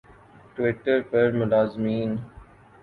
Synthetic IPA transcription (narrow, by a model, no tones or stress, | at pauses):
ʈʋɪʈəɾpəɾmʊdaːzmĩːn